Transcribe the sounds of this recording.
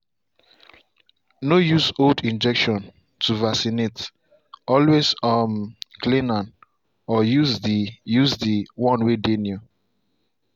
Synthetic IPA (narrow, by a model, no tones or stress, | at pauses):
nojuzoldĩnd͡ʒɛkʃɔ̃n | tʰuvasinet | ɔlwezɔmklĩnãn | ɔjuzdijuzdiwɔ̃nwedenju